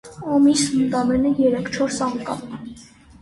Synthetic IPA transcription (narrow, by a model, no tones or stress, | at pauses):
ɑmisəmt̪ɑmɛnəjɛɾɛkʰt͡ʃʰɔɾsɑŋkɑ̰m